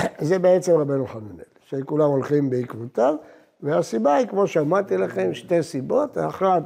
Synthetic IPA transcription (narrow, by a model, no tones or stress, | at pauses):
zebeet͡se̞mʁabenuχanunḛlʃekulamo̞lχimbeikvut̪av | veasibaikmo̞ʃeamat̪ilaχe̞mʃte̞sibo̞t̪aχlat